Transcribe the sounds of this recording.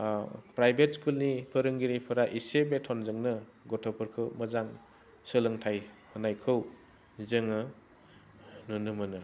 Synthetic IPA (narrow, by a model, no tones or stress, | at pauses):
pɾajbʱet̚skulnipʰɯɾɯŋɡiɾipʰɯɾaʔisebetʰɔnzɯŋnɯɡɔtʰɔpʰɯɾkʰɯwməzaŋ | sɯlɯŋtʰajhɯnajkʰɯw | zɯŋɯ | nunɯmɯnɯ